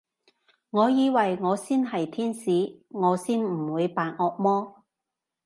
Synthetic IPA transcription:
ŋɔː˨˧jiː˨˧wɐ˨jŋɔː˨˧siː˥nɦɐ˨jt̪ʰiː˥nsiː˨˥ŋɔː˨˧siː˥nm̩˨˩wuː˨˧jpaː˨n̚ɔː˧k̚mɔː˥

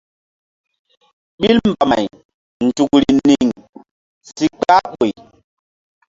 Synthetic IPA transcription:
ɓi˦lm˨ba˨ma˨j | n̩˨tu˨kɾi˨ni˨ŋ | si˦k͡pa˦ɓo˨j

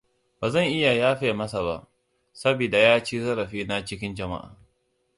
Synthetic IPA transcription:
baː˨zɐ˦˨ŋʔɪ˦ja˨jaː˦ɸeː˨mɐ˦sa˨ba̰˦˨ʔ | sɐ˦biː˨da˨jaː˦t͡ʃiː˦zɐ˦ɾɐ˨ɸiː˦na˦t͡ʃɪ˦kʲɪ˦nd͡ʒɐ˨ma̰˦ʔa̰ː˨

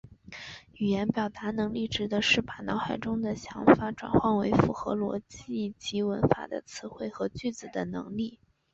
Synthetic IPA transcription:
y˨˩jɛ˧˥npjɑ˨˩ʊt̪a˧˥nɤ˧˥ŋli˥˩ʈ͡ʂɻ̩˧˥d̪ə˧ʂɻ̩˥˩pa˨˩nɑ˧˥ʊxa˨˩ɪʈ͡ʂʊ˥ŋd̪ə˨ɕjɑ̰˧˥ŋfa˧˥ʈ͡ʂwa̰˨˩nxwɑ˥˩nwe˧˥ɪfu˨˩xɤ̰˧˥lwɔ̰˧˥t͡ɕi˥˩t͡ɕi˧˥wə˧˥nfa̰˨˩d̪ə̰˦t͡sʰɹ̩˧˥xwe˥˩ɪxɤ˧˥t͡ɕy˥˩t͡sɹ̩˨˩d̪ə˦nɤ̰˧˥ŋli˥˩

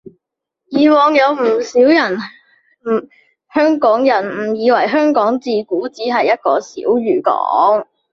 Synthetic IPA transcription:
jiː˨wɔː˨˧ŋjɐ˨˧wm̩˨˩si˨˥wjɐ˨˩n̩˨˩ | hœː˥ŋkɔː˨˥ŋjɐ˨˩nm̩˨˩jiː˨˧wɐ˨˩jɦœː˥ŋkɔː˨˥ŋt͡siː˨kuː˨˥t͡siː˨˥ɦɐ˨jːɐ˥t̚kɔ̰ː˧sḭː˨˥wɥyː˨˩kɔ̰ː˨˥ŋ

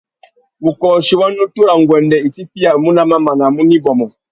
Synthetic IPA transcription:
bu˨kɔ˨ʃi˨wa˦no˦tu˦ɾa˨ŋɡwɛ˨ndɛ˨i˨ti˦fi˦a˨mu˦na˦ma˦ma˨na˨mu˦ni˦bɔ˨mɔ˨

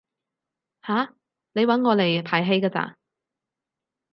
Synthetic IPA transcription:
haː˨˥ | nle˨˧jwɐ˨˥nŋɔː˨˧le˨˩jpʰaː˨˩jɦe˨˧jkaː˧t͡sa̰ː˧

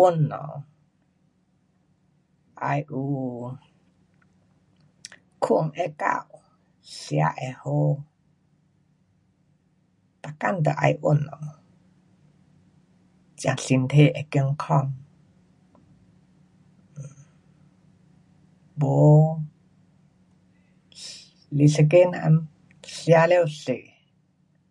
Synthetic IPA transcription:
ʔo˦˥nːɔ̰˨ | ʔa˧jʔu˧ | kʰu˦ʔə˨ŋʔɛ˧ka̰˧w | ɬi˧a̰˧ʔɛ˧ho˧ | ta˨ka˥˨nt̪ə˧˨ʔa̰˧jʔo˧nːɔ˨ | t͡ʃi˧a˧˨ŋɬi˧˨nt̪ʰe˧˨ʔɛ˧˨ki˧ə˧ŋkʰɔ˧ŋ | bo˨ | li˧ɬə˧k̬e˦na̰˧m | ɬi˧a˧lɛ˧˨wɬi˨ʔ

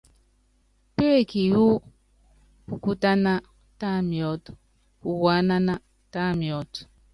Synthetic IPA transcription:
pe˦e˦˨ki˨ju˦ | ku˨ku˦ta˦na˦ | ta˦˨mi˨ɔ˨t | ku˨wa˨˦na˦na˦ | ta˦mi˨ɔ˨t

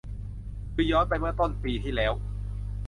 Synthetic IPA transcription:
kɯ˧˩jɔː˦˥npa˧jmɯ˥˩ɐt̪o˥˩npiː˧t̪ʰiː˥˩lɛː˦˥w

